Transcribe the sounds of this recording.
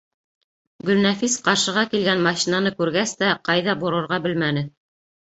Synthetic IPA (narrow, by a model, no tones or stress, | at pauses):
ɡɵ̆lnæfisqɑɾʃɤ̆ʁɑkilɡænmɑʃinɑnɤkʉɾɡæst̪æqɑjðɑbuɾɤ̆ɾʁɑbɘlmænɘ